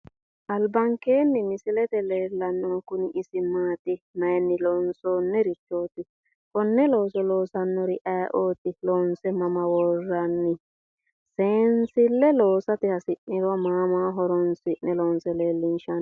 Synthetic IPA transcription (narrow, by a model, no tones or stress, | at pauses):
ʔɐlbɐŋkeːnːɪmɪsɪlɛt̪ɛleːlːɐnːɔkʊnɪʔɪsɪmaːt̪ɪmɐjnːɪlɔnsoːnːɛɾɪt͡ʃːo̞ːt̪ɪ | kɔnːɛlo̞ːsɛlo̞ːsɐnːɔɾɪʔɐjʔoːt̪ɪloːnsɛmɐmɐwɔrːɐnːɪ | seːnsɪlːɛloːsɐt̪ɪhɐsɪʔːɪɾɔmaːmaːɦɔɾɔnsɪʔnɛlɔnsɛleːlːɪnʃɐn